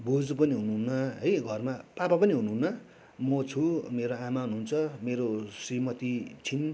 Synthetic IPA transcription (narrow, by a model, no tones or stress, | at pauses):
bod͡zpʌniɦunuɦunːʌɦʌjɡʱʌrmapapapʌniɦunuɦnːʌ | mʌt͡sʰumeɾoamaɦunuunt͡sʰʌmeɾosimʌt̪it͡sʰin